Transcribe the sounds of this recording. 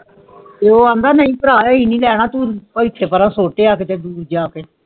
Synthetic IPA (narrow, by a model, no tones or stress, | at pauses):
t̪eːoːãːnd̪aːnəĩːpəɾaːjaːiːnĩːlɛːɽ̃aːt̪uːpəɪt̪ʰːeːpəɾãːsoːʈeːaːkeːt̪eːd̪uːɾd͡ʒaːkeː